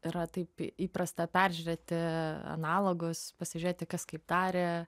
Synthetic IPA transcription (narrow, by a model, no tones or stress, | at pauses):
ɪɾɐt̪ɐɪpiːpɾɐst̪ɐpʲæɾʲʒʲʉɾʲet̪ʲɪɐ̰nɑːlˠoːɡʊspɐsʲɪʒʲɾeːt̪ʲɪkɐskɐɪpd̪ɑːɾʲe